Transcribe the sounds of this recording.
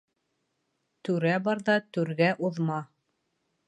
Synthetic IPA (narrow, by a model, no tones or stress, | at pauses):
t̪ʉɾæbɑɾðɑt̪ʉɾɡæʔuðmɑ